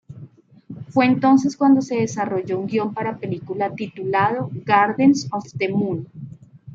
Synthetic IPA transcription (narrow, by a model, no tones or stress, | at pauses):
fwe̞ːnt̪o̞ns̬e̞skwand̪ose̞ðesaroʝouŋɡjo̞mpaɾapelikulat̪it̪ulaðoɡaɾðensost̪emun